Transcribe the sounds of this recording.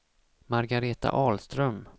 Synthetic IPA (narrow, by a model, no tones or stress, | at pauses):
maɾɡaɾeːt̪a̰ʔɑːlst̪ɾœm